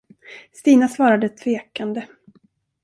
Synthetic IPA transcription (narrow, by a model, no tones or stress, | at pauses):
st̪iːnasvɑːɾad̪ət̪ʰveːkand̪ə